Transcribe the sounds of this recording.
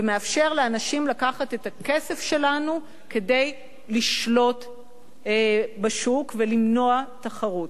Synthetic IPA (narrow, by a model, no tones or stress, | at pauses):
vemeafʃe̞ʁleanaʃimlakaχate̞take̞sefʃe̞lanu | ke̞de̞j | liʃlo̞t | baʃukvelimno̞ataχaʁut